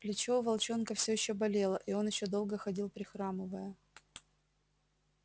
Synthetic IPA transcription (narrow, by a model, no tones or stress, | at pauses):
plʲɪt͡ɕoʊvɐlˠt͡ɕo̞nkəfsʲɵjɪɕːobɐlʲelˠəʔio̞njɪɕːod̪o̞lˠɡəxɐdʲilˠpɾʲɪxɾamɨvəjə